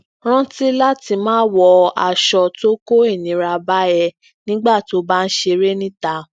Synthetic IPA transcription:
ɾ̃ã˦ti˦la˦ti˧mãː˦wɔ˧a˧˨ʃɔ˧to˦ko˦i˦˨nĩ˨˦ɾa˧ba˦jɛ˧ | nĩ˦ɡ͡ba˦˨ti˨o˦ba˦n̩˦ʃe˧ɾe˦nĩ˦ta˨˦

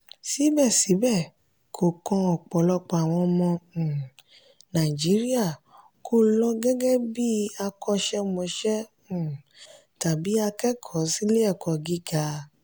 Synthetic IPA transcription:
si˨˦bɛ˦˨si˨˦bɛ˦˨ | kʰo˨kɔ̃˧ɔ˨k͡pɔ˨lɔ˧k͡pa˧˨a˨w̃ɔ̃˧mɔ̃˧˨ | nã˨i˨d͡ʒi˨˦ɾi˦a˦˨ | kʰo˦lɔ˦ɡɛ˦ɡɛ˦bi˦a˧kɔ˦ʃɛ˦mɔ̃˧ʃɛ̃˦˨ | ta˨bi˨˦a˧kɛ˦kʰɔ˨˦si˦le˦ɛ˦˨kɔ˨ɡi˦ɡa˨˦

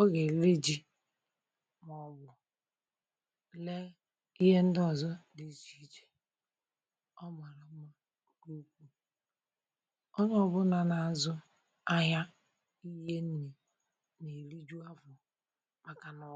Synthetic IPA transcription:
ɔ˦ɣe˨le˦d͡ʒi˦ | mɔ˦bʊ˨ | le˦ | i˦ɦe˦n̩˦dɔ˦˨zɔ˦di˨˦t͡ʃi˦t͡ʃe̥˨ | ɔ˦ma˨ɾa˨˦ma˦ | ku˦kʷu˦ | ɔ˦ɲɔ˦˨bʊ˦na˨na˨zʊ˦ | a˦ɦa˦ | i˦ɦe˦n̩˦ne˨ | ne˨ɾi˦d͡ʒu˦a˦vʊ˨ | ma˨ka˨nɔ˦

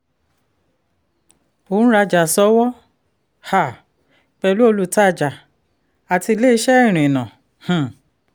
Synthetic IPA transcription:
õ˨˦ɾa˧d͡ʒa˨sɔ˨˦wɔ˦ | ha˨ | k͡pɛ˧lu˦o˧lu˦˧ta˦˨d͡ʒa˨ | a˨ti˧le˦i˧˦ʃɛ˦˨ɾ̃ĩ˨nã˨ | h̩˨

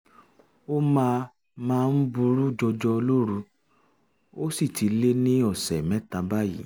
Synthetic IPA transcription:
o˦mãː˧ | mãː˧n̩˦bu˧ɾu˦d͡ʒɔ˧d͡ʒɔ˧lo˦ɾu˧ | o˦si˦˨ti˧le˦nĩ˦ɔ˦˨sɛ˨mɛ̃˦tã˧ba˦jḭ˦˨

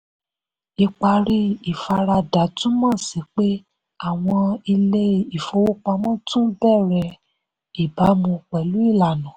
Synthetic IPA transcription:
i˧k͡pa˧ɾi˦i˨fa˧ɾa˧da˨˦tũ˦mã˦˨si˨˦k͡pe˦ | a˦˨w̃ɔ̃˧i˧le˦˨i˨fo˧˦wo˦k͡pa˧mɔ̃˦tũ˦bɛ˦˨ɾɛ˧ | i˨ba˨˦mũ˧k͡pɛ˨lu˨˦i˦˨la˨nã˨˦

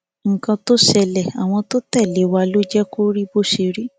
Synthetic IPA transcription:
ŋ̩˨kã˧to˦ʃɛ˨lɛ˨a̰˨w̃ɔ̃˧to˦tɛ˦˨le˨˦˨wa˧˦lo˦d͡ʒɛ˦ko˦ɾi˦bo˦ʃe˧˦ɾi˦

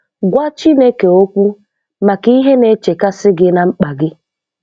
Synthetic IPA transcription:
ɡʷa˦t͡ʃi˦ne˦ke˨o˦kʷu˦ | ma˨ki˦ɦe˦ne˦t͡ʃe˨ka˦sɪ˦ɡɪ˦na˨ŋ͡m̩˦k͡pa˨ɡɪ˦

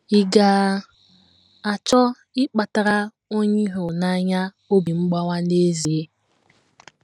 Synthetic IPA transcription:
i˨ɡaː˨ | a˨t͡ʃɔ˦ | ɪ˦k͡pa˨ta˨ɾa˦ | o˦ɲi˦ɦo˨na˦ɲa˦ | o˦bi˨ŋ͡m̩˦ɡ͡ba˦ŋʷa˦ne˦zi˨e˦

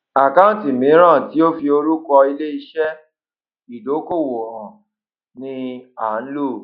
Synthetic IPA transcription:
a˨ka˦ũ˦˨ti˨mĩ˨˦ɾ̃ã˦˨ti˨˦o˦fi˧o˧ɾu˦kɔ˧i˧le˦i˧ʃɛ˦ | i˨do˨˦ko˦˨wo˨ɔ̃˨ | nĩ˧a˨˦n̩˦lu˦˨

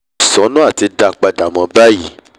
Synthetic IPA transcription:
sɔ̃˨˦nũ˦a˦˨ti˧da˧˨k͡pa˧da˨mɔ̃˧ba˦ji˦˨˦

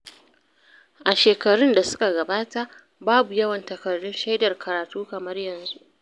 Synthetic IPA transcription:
ʔa˨ʃeː˨kɐ˨ɽʊ˦nda˨sʊ̥˦ka˨ɡɐ˨baː˦ta˦ʔ | baː˦bu˨jɐ˦wɐ˨ntɐ˨kɐ˨rːʊ˦nʃɐ˦jdɐ˨rkʰɐ˨ɾaː˨tuː˦kɐ˨mɐ˦rjɐ˨nzu˦ʔ

